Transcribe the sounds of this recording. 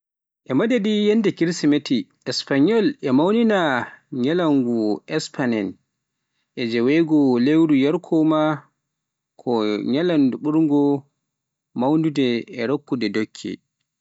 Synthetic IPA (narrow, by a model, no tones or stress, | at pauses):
ʔɛmadadijɛndɛkiɾsimetiʔɛspaɲɔlɛmawninaɲalaŋɡuʔɛspanɛn | ʔɛd͡ʒɛwɛɡɔlewɾujaɾkʰɔma | kʰɔɲalanduɓuɾŋɡɔ | mawndudɛɛɾokːudɛdokʰːɛ̰